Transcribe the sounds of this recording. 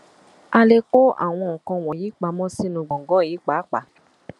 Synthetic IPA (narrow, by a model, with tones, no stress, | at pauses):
a˧le˧ko˦a̰˨w̃ɔ̃˧ɔ̃˨kɔ̃˧w̃ɔ̃˨jiː˨˦k͡pa˨˦mɔ̃˦si˦nũ˧˦ɡ͡bɔ̃˨ɡɔ˦˨jiː˨˦k͡pa˨˦k͡pa˨˦